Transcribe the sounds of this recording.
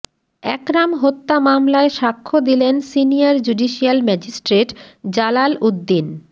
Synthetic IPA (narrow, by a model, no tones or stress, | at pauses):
ɛkɾamɦot̪ːamamlaeʃakʰːod̪ilensinijaɾd͡ʑuɖiʃialmɛd͡ʑisʈɾeʈd͡ʑalalud̪ːin